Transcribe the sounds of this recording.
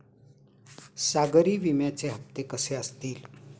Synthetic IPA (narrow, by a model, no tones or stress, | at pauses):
saɡəɾiːʋimjat͡seɦəpt̪ekəseəst̪iːl